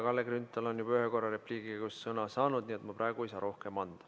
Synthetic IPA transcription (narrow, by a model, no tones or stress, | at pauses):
kɑlːeɡrɾynt̪ːˑɑlo̞njubyɦeko̞rːɑɾe̞pliːɡikussɤnɑsɑːnud̪niːet̪mɑpɾʔɑˑeɡuejsɑːɾo̞hkemɑnd̪̥ɑ